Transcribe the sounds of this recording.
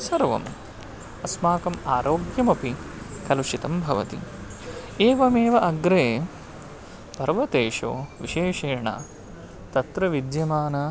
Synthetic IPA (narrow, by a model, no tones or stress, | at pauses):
sɐɾʋɐ̰m | ɐsmaːkɐmaːɾoːɡjɐmɐpi | kɐluʃit̪ɐmbʱɐʋɐ̰t̪ḭ | eːʋɐmeːʋɐʔɐɡɾeː | pɐɾʋɐt̪eːʂo̰ːʋiʃeːʃeːɳa̰ | t̪ɐt̪ɾɐʋid̪jɐmaːnɐ